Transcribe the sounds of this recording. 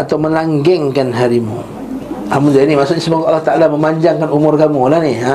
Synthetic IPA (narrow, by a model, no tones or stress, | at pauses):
at̪awməlaŋɡɛŋkanɦaɾimṵ | amʊnd͡ʒainimasʊkɲasəbaŋkaʔalːaht̪aʔalaməmaɲd͡ʒaŋkanumʊrkamulahnia